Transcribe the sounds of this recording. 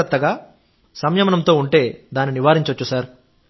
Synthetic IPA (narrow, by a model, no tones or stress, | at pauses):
ɐt̪ːɐɡaː | sɐmjɐmɐnɐmt̪o̞ːuɳʈe̞ːd̪aːniniʋaːɾiɲt͡ʃɐt͡ʃːusaːɾ